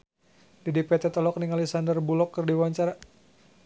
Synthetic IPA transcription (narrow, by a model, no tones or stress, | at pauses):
dɛdipɛt̪ɛt̪ɔlɔk̚niŋalisandərbulɔkːərdiwaɲt͡ʃaɾa